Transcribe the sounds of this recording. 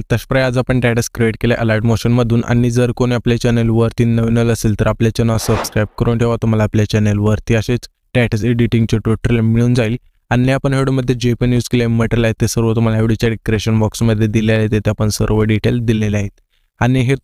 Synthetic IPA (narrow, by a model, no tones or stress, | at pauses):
t̪əɕpɾajad͡zapəɳʈɛʈəskɾieʈkelja̰ʔəlaɾʈmoɕənməd̪ʱuːnʔa̰nid͡zəɾkoniaplet͡ɕɛnəlʋəɾt̪iːnəʋinələseːlt̪əɾapljat͡ɕɛnəsəbskɾajb̚kəɾoɳʈ̪ʰeʋat̪um̤alaːpljat͡ɕɛnəlʋəɾt̪iəɕet͡s | ʈɛʈəseɖiʈĩŋɡt͡ɕoʈuʈəɾlemiɭuːnd͡zail | aneapəɳɦeɽouməd̪ʱːjed͡ʑepənjuːskelemeʈəɾlaɦet̪ːesəɾʋət̪um̤alaɦeʋɽit͡ɕaɖikɾeɕənbɔksməd̪ʱːjed̪iljalet̪et̪eapəɳsə̰ɾʋəɖiʈeld̪ileleaɦet̪ | aniɦe